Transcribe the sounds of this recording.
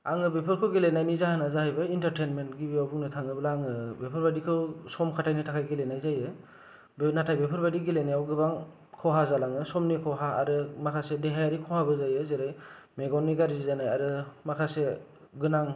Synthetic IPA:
aŋɯbepʰɯɾkʰɯwɡilenajnizahanazahajbaintaɾtenmentɡibijawbuŋnɯtʰaŋɯbɯlaŋɯbepʰɯɾbadikʰɯwsɔmkʰatʰajnitʰakʰajɡilenajzajɯ | bnatʰajbepʰɯɾbadiɡilenajawɡɯbaŋ | kʰɔɦazalaŋɯsɔmnikʰɔɦaa̰ɾɯmakʰasedeɦajaɾikʰɔhabɯzajɯzeɾaj | meɡɔwnːiɡaɾizizanajaɾɯmakʰase | ɡɯnaŋ

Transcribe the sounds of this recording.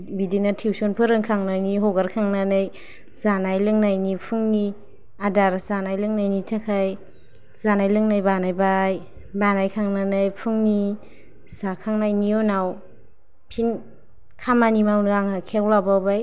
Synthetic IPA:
bidinatʰiwsonpʰɯɾɯŋkʰaŋnajniɦɔɡaɾkʰaŋnanɯj | zanajlɯŋnajnipʰuŋni | adaɾz̥anajlɯŋnajnitʰakʰaj | z̥anajlɯŋnajbanajbaj | banajkʰaŋnanɯjpʰuŋni | sakʰaŋnajnionaw | pʰin | kʰamanimawnaŋakʰewlabawbaj

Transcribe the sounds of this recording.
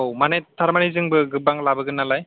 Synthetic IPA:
owmanetʰːaɾmanizɯŋbɯɡɯbaŋlabɯɡɯnalaj

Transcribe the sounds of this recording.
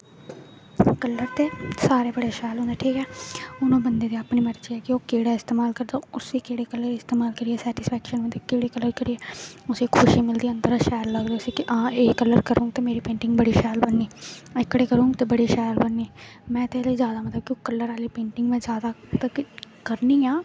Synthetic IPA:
kəlːəɾt̪eːsaːɾeːbəɽeːʃɛːlɦõːnd̪aːʈʰiːkɛːʊnõːbənd̪eːd̪eːapniːməɾt͡ʃiɛːkɪoːkeːɽaːɪst̪eːmaːlkəɾd̪aːʊsiːkeːɽeːkəlːəɾɪst̪eːmaːlkəɾiɛːsɛːʈɪspʰɛːkʃənəekeːɽeːkəlːəɾkəɾiɛːʊseːkʰʊʃiːmɪld̪iːə̃nd̪əɾaːʃɛːlːəːd̪eʊsikʔãːeːkəlːəɾkəɾũːŋɡt̪eːmeːɾiːpẽːɳʈɪŋɡbəɽiːʃɛːlbənːiːɪkːɽeːkəɾũːɡt̪eːbəɽiːʃɛːjlbənːiːmɛ̃ːt̪eːlezjaːd̪aːmət̪ləb̚kɪokəlːəɾaːliːpẽːɳʈɪŋɡmɛ̃ːzjaːd̪aːt̪əkkəɾniːãː

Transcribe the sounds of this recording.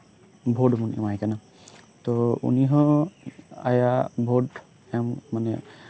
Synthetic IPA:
bʱodmɔnḭmajkana | t̪ɔṵniɦɔ̃ | a̰jabʱod | ɛmːanɛ

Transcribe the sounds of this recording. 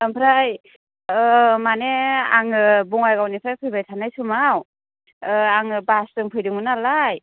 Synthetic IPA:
ɯmpʰɾaj | ɯmaneaŋɯbuŋajɡawnipʰɾajpʰɯjbajtʰanajsumaw | ɯaŋɯbastɯŋpʰɯjdɯŋɯnalaj

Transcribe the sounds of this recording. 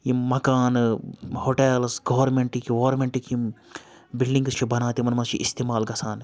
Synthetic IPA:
jimɐkaːnhoːʈeːlsɡɐːʋɐɾmeɳʈikiʋoːɐɾmeɳʈikim | bilɖĩŋɡst͡ʃʰibɐnaːt̪imɐnmɐt͡ʃʰḭʔist̪eːmaːlɡɐsaːn

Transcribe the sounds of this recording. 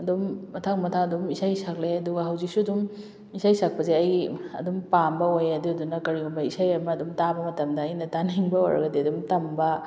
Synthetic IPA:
ɐdumːɐtʰaŋmɐtʰaŋɐdumisajsak̚leɐduɡɐɦɐwzik̚suɐdum | isajsak̚pɐzeɐjɡiɐ̰dumpambɐojɐduɐdunɐkɐɾiɡumbɐisajɐmɐːdumtabɐmɐtɐmdɐːjnɐtaniŋbɐa̰ɾɐ̰ɡɐdiɐdumtɐmbɐ

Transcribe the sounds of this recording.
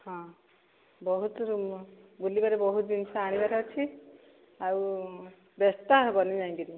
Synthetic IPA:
hɔ̃ | bɔɦut̪ɾumbulibaɾebɔɦut̪dinsʰaaɽ̃ibaɾɔt͡ʃʰi | aw | best̪abɔnid͡ʒãĩɡiɾi

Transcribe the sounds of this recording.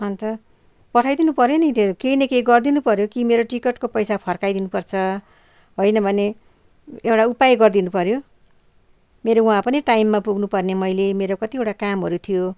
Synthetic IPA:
ʌnt̪ʌ | pʌʈʰajd̪inupʌɾjenit̪ekejnekejɡʌrd̪inupʌɾjokimeɾoʈikeʈkopʌjsapʰʌrkajd̪inupʌrt͡sʰʌ | ɦojnʌbʱʌne | ewʈaupajɡʌrd̪inupʌɾjo | meɾoũɦãpʌniʈajmːapuɡnupʌrnemʌjlemeɾokʌt̪iewʈakamɦʌɾut̪ʰijo

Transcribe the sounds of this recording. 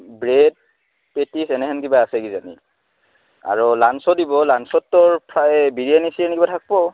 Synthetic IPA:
bɹed̚ | petisɛnɛɦɛnkibaasɛɡizanḭ | a̰ɹɔlansɔdibɔlansɔtːɔɹpʰɹaɛbiɹianisiɛnkibatʰak̚bɔ

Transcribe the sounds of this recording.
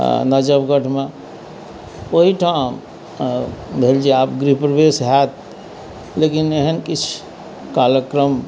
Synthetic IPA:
nəd͡ʒəbɡəʈʰme | oɦiʈʰam | bʱeld͡ʒeapɡɾipɾəbesɦɛt̪ | lekineɦənkit͡ʃʰ | kaljəkɾəm

